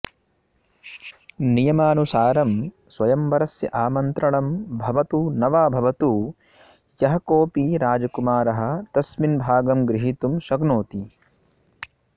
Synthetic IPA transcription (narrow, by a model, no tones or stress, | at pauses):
nijɐmaːnusaːɾɐm | sʋɐjɐmʋɐɾɐsjɐ̰ʔaːmɐnt̪ɾɐɳɐmbʱɐʋɐt̪unɐʋaːbʱɐʋɐt̪u | jɐɦɐkoːpiɾaːd͡ʒɐkumaːɾɐɦɐ̆t̪ɐsminbʱaːɡɐmɡɾiɦit̪umʃɐɡnoːt̪i